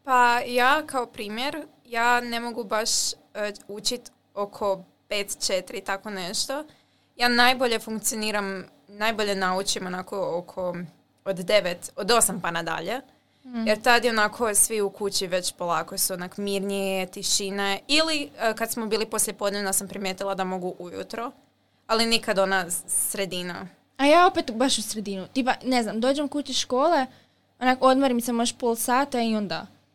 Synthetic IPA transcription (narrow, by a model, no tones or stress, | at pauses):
pajaːkaopɾiːmje̞ɾ | jaːne̞mo̞ɡubaʃ | ut͡ʃit̪ | o̞kʰo̞ | pe̞ːt̪t͡ʃe̞t̪iɾit̪ako̞ne̞ʃt̪o̞ | jaːnajboʎe̞fuŋkt̪sioniːɾam | najboʎe̞naut͡ɕimonako̞okʰo̞ | od̪d̪e̞ʋet̪od̪o̞sampanad̪a̰ʎe | jeɾt̪ad̪jeonakʰo̞sʋiukut͡ɕiʋe̞t͡ɕpolˠaːko̞suonakomiɾnijet̪iʃineilikad̪smobiːlipo̞sljepod̪neʋnasampɾimjeːt̪ilˠad̪amo̞ɡuʔujṵt̪ɾo | alinikad̪o̞nasɾe̞d̪ina | ajaːopet̪baʃusɾed̪inut̪ipane̞znamd̪oːd͡ʑemkut͡ɕiʃkoːle̞ | onakood̪moɾimsemoʃpolˠsaːt̪aio̞nd̪a̰